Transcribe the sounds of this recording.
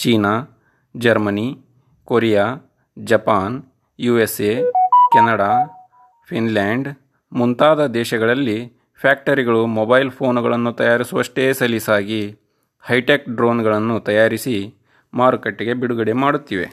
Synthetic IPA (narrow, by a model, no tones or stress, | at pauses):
t͡ʃiːnaː | d͡ʒɐɾmɐni | koɾɛjaː | d͡ʒɐpaːn | juːeseːkɐnɐɽaː | pʰinlaːɳɖ | munt̪aːd̪ɐd̪ɛːʃɐɡɐɭɐlːi | pʰjaːk̚ʈɐɾiɡɐɭumobɐjlpʰo̞ːnuɡɐɭɐnːut̪ɐjaːɾisuʋɐʂʈeːsɐlisaːɡi | hɐjʈeːk̚ɖɾoːnɡɐɭɐnːut̪ɐjaːɾisi | maːɾukɐʈːiɡe̞biɽuɡɐɽemaːɽut̪ːiʋe̞̰